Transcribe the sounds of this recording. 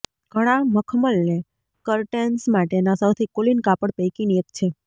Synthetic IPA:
ɡ̥ʱəɽ̃aməkʰməlne | kəɾʈensmaʈenasəwt̪ʰikolinkapəɽpejkiniekt͡ʃʰe

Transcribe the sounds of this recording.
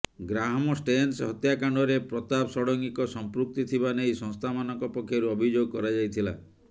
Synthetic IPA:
ɡɾaɦmɔsʈensɦɔt̪jakaɳɖɔɾepɾɔt̪apsɔɽɔŋɡikɔsɔmpɾuk̚t̪it̪ʰibanejsɔŋst̪ʰamanɔŋkɔpɔkʰːjɔɾuɔbʱid͡ʒoɡkɔɾad͡ʒajt̪ʰila

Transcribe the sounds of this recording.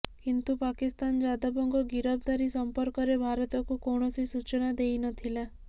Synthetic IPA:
kint̪upakist̪and͡ʒad̪ɔbɔŋɡɔɡiɾɔb̚d̪aɾisɔmpɔɾkɔɾebʱaɾɔt̪ɔkukoɳ̃ɔsisut͡ʃɔnad̪ejnɔt̪ʰila

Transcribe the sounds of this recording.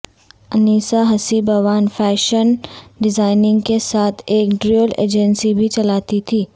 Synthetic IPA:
ɐniːsaɦɐsibɐʋaːnfɛːʃənɖɪzaːɪnɪ̃ŋɡkesaːt̪ʰeːkɖɾiəlḛːd͡ʒənsibʱit͡ʃɐlaːt̪it̪ʰiː

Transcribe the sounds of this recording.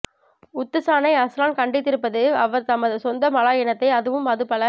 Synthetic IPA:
ʊt̪ːɯsaːnɐɪɐsɾaːnkɐɳɖɪt̪̬ːɪɾɯpːɐðɯɐʋɐɾt̪ɐmːɐðɯsɔnd̪ɐmɐlaːjɛnɐt̪ːɐɪɐðɯʋɯmɐðɯpɐlɐ

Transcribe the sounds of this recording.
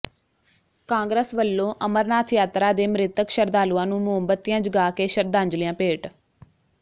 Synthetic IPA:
kãːŋɡɾəːsʋəlːõːʔəməɾnaːt̪ʰjaːt̪ɾaːd̪eːmɾɪt̪əkʃəɾd̪aːluãːnũːmʊɦəmbət̪ːijãːd͡ʒəɡaːkeːʃəɾd̪ãːɲd͡ʒlijãːpeːʈ

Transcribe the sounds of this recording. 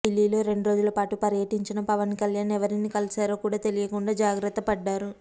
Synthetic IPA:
ilːiːlo̞ːɾe̞ɳɖuɾo̞ːd͡ʒulɐpaːʈupɐɾjɐʈiɲt͡ʃinɐpɐʋɐnkɐljaːnɛʋɐɾinikɐlisaːɾoːkuːɽaːt̪e̞lijɐkuɳɖaːd͡ʒaːɡɾɐt̪ːɐpɐɖːaːɾu

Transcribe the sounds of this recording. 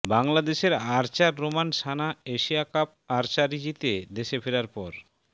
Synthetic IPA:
baŋlad̪eʃeɾaɾt͡ɕaɾːomanʃanaeʃiakap̚ | aɾt͡ɕaɾid͡ʑit̪ed̪eʃefʰeɾaɾpɔɾ

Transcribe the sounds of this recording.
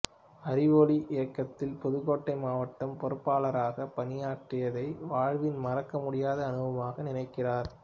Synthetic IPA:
ɐɾɪʋoːliʔɪjɐkːɐt̪ːɪlpɔðɯɣoːʈːɐɪmaːʋɐʈːɐmpɔɾɯpːaːlɐɾaːɣɐpɐnɪjaːʈrɪjɐðɐɪʋaːɻʋɪnmɐrɐkːɐmʊɽɪjaːðɐːnɯʋɐmaːɣɐnɪnɐɪkːɪraːɾ

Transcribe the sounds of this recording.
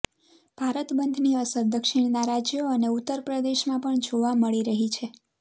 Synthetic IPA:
b̥ʱaɾət̪bənd̪ʱniəsəɾd̪əkʃiɳnaɾad͡ʒjoəneut̪ːəɾpɾəd̪eʃmãpəɳd͡ʒoʋaməɭiɾəɦit͡ʃʰe

